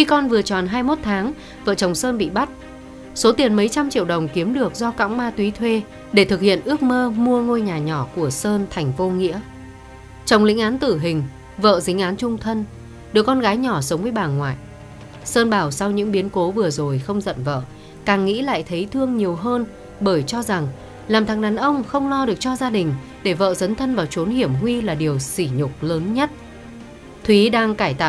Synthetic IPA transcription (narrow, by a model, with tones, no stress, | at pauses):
xi˧kɔ˧nvɨ˨˩ət͡ɕɔ˨˩nɦaː˧jmo˦˥t̚t̪ʰaː˨˦ŋ | və̰ː˧˨t͡ɕə˨˩wŋ͡msəː˧nɓḭ˧˨ɓa˦˥t̚ | so˨˦t̪i˨˩ənmə˨˦jt͡ɕa˧mt͡ɕḭ˧˨əwɗə˨˩wŋ͡mki˨˦əmɗɨ˨˩ək̚zɔ˧ka̰ː˧˥wŋ͡mmaː˧t̪wi˨˦t̪ʰwe˧ | ɗe˧˩t̪ʰɨ˨˩k̚hḭ˧˨ənʔɨ˦˥ək̚məː˧mu˧əŋo˧jɲaː˨˩ɲɔ˧˩ku˧˩əsəː˧nt̪ʰa˨˩jŋ̟vo˧ŋḭ˧˥ə | t͡ɕə˨˩wŋ͡mlḭ˧˥ŋ̟ʔaː˨˦nt̪ɨ˧˩ɦï˨˩ŋ̟ | və̰ː˧˨zï˨˦ŋ̟ʔaː˨˦nt͡ɕʊ˧ŋ͡mt̪ʰə˧n | ɗɨ˨˩əkːɔ˧nɣaː˨˦jɲɔ˧˩sə˨˦wŋ͡mvəː˨˦jɓaː˨˩nŋwa̰ː˧˨j | səː˧nɓaː˨˧˩wsa˧wɲɨ̰˧˥ŋɓi˨˦ənko˨˦vɨ˨˩əzo˨˩jxə˧wŋ͡mzə̰˧˨nvə̰ː˧˨ | kaː˨˩ŋŋḭ˧˥la̰ː˧˨jt̪ʰə˨˦jt̪ʰɨ˧əŋɲi˨˩əwɦəː˧n | ɓəː˧˩jt͡ɕɔ˧za˨˩ŋ | laː˨˩mt̪ʰa˨˩ŋɗaː˨˩nʔə˧wŋ͡mxə˧wŋ͡mlɔ˧ɗɨ˨˩ək̚t͡ɕɔ˧zaː˧ɗï˨˩ŋ̟ | ɗe˧˩və̰ː˧˨zə˨˦nt̪ʰə˧nvaː˨˩wt͡ɕo˨˦nhi˧˩əmɦwi˧laː˨˩ɗi˨˩əwsi˧˩ɲʊ˨˩k͡p̚ləː˨˦nɲə˦˥t̚ | t̪ʰwi˨˦ɗaː˧ŋkaː˧˩jt̪a̰ː˧˨